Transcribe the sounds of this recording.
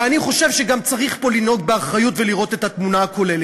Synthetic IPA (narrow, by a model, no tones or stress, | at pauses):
aniχo̞ʃe̞vʃeɡamt͡saʁiχpo̞lino̞ɡ̚beaχʁajutveliʁo̞t̪e̞t̪hat̪munaako̞lele